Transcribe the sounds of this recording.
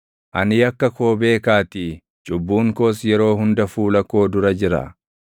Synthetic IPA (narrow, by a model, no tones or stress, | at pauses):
ʔɐ̰nɪjɐkːɐkʰo̞ːbe̞ːkaːt̪i | t͡ʃʼʊbːuːŋkoːsjɛɾo̞ːɦʊnd̪ɐfuːlɐkːo̞ːd̪ʊɾɐd͡ʒɪɾɐ̰